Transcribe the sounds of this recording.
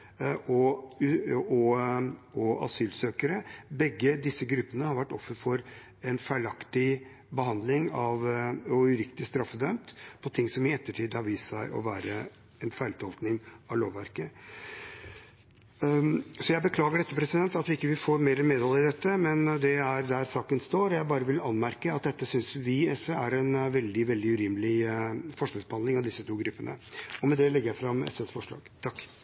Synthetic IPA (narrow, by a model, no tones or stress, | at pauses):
ɔ | ɔ | ɔɑ̰syːlsøːkəɾəbɛɡːəd̪ɪsːəɡɾʉpːənəhɑɾʋæʈːɔfːəfɔɾ | ɛnfæɪlɑkt̪ɪ | bəhɑnd̪lɪŋɑʋɔʉɾɪkt̪ɪst̪ɾɑfːəd̪œmt̪pʰɔt̪ʰɪŋsɔmɪɛt̪ːəʈʰiːd̪hɑɾʋiːssæɪʔɔ̰ʋæːɾə | ɛnfæɪɭɪt̪ʰɔlt̪nɪŋɑʋloːʋːæɾkə | sɔjæɪbəkʰlɑːɡəɖɛt̪ːəpʰɾɛsɪd̪ɛnt̪ɑt̪ʋɪɪkːəʋɪfoːɾmeːɾəmeːd̪ɑləɪd̪ɛt̪ːəmɛnd̪ɛæɾd̪æɾsɑːkənst̪oːɾɔjæɪbɑːɾəʋɪlɑnmæɾkəɑt̪̚d̪ɛt̪ːəsʏnsʋɪɛsʋeæɾɛnʋɛld̪ɪʋɛld̪ɪʉɾiːməlɪfɔʂkɑsb̥əhɑnd̪ɪŋɑʋd̪ɪsːət̪ʰuːɡɾʉpːənə̰ɔmɛd̪ɛlɛɡːəjæɪfɾɑmɛ̰sʋesfɔʂɭɑ̰ːɡt̪ʰɑkː